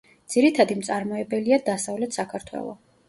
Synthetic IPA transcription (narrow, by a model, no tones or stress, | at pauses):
d̪z̥iɾit̪ʰad̪imt̪sʼaɾmɔɛbɛliad̪asavlɛt̪ʰsakʰaɾt̪ʰwɛ̰lˠɔ̰